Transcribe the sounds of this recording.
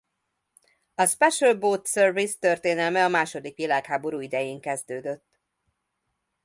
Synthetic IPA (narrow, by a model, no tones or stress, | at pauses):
ɒspɛʃølboːt̪sørvist̪ørt̪eːnɛlmɛɒmaːʃo̞d̪ikʋilaːkhaːbo̞ɾuːid̪ɛjeːŋkɛzd̪øːd̪øt̪ː